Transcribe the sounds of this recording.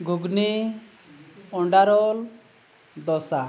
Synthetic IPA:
ɡʱuɡni | ɔɳɖaɾɔl | d̪ɔsa

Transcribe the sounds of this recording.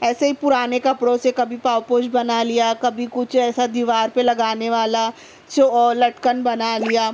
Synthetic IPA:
ɛːseɦipʊɾaːnekɐpɽõsekɐbʱipaːwpoːʃbɐnalijakɐbʱikʊt͡ʃʰɛːsad̪iːʋaːɾpelɐɡaːneʋaːla | t͡ʃolɐʈkənbɐnalijaː

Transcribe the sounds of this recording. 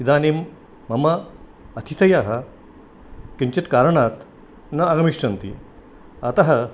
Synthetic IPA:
id̪aːnimː | ɐmɐɐt̪ʰit̪ʰɐjaːɦɐ | kiɲt͡ɕɐt̪kaːɾɐɳaːt̪ | nɐɐɡɐmiʂʈɾɐnt̪ḭ | ɐt̪ɐɦɐ

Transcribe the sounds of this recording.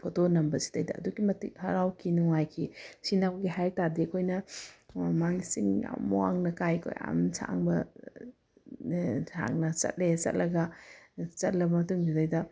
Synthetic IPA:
pʰotonɐmbɐsi̥tɐjdɐ̰ːduɡimɐtik̚hɐ̰ɾawkʰinuŋajkʰisinawbɡiɦajɾtaɾdiɐkʰojnɐ | maŋisiŋa̰muwaŋnɐkajkʰo̰ja̰msʰa̰ŋbɐ | sʰa̰ŋnɐt͡ʃɐ̰t̚let͡ʃɐ̰t̚lɐɡɐ | t͡ʃɐt̚lɐbɐmɐtuŋzidɐjdɐ

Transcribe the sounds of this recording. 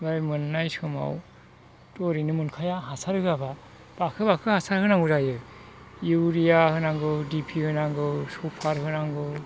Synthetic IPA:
bajmɯnːajsɯma̰w | tɔɾinɯmɯnkʰajaɦasaɾɯɡaba | b̥akʰɯbakʰɯhasaɾhɯnaŋɡɯzajɯ | iwɾijahɯnaŋɡɯdipʰihɯnaŋɡɯsupʰaɾhɯnaŋɡɯ

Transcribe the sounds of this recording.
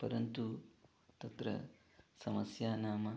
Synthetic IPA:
pɐɾɐnt̪u | t̪ɐt̪ɾɐ̰ | sɐmɐsjaːnaːmɐ

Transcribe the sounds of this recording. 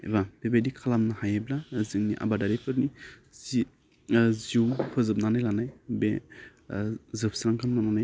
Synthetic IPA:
ḛbabebajdikʰalamnahajablazɯŋniʔa̰badaɾipʰɯɾnizi | ziuwpʰɯzɯp̚nanajlanajbe | zɯp̚sɾaŋkʰanmananaj

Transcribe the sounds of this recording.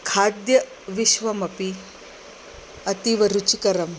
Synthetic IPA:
kʰaːd̪jɐ | ʋiʃʋɐmɐpi | ɐt̪iʋɐɾut͡ʃikɐɾɐm

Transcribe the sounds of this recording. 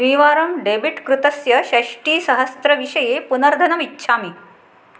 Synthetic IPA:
sʋiːʋaːɾɐmɖebiʈkɾut̪ɐsjɐɕɐɕʈiːsɐɦəst̪ɾəʋiɕɐjepunɐɾd̪ʱɐnɐmitːɕʰaːmi

